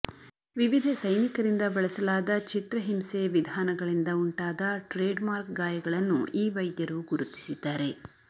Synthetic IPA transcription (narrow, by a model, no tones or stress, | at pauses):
ʋiʋid̪ʱɐsɐjnikɐɾind̪ɐbɐɭɐsɐlaːd̪ɐt͡ʃit̪ɾɐɦimseʋid̪ʱaːnɐɡɐɭind̪ɐuɳʈaːd̪ɐʈɾeːɖmaːɾkɡaːjɐɡɐɭɐnːṵʔiːʋɐjd̪jɐɾuɡuɾut̪i̥sid̪ːaːɾe̞